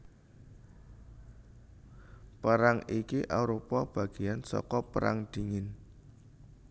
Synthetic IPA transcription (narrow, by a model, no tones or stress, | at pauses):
pəɾaŋikiʔawɾopab̥ä̤ɡ̥i̤jansɔ̰kɔpəɾʔa̰ŋd̪̥i̤ŋɪn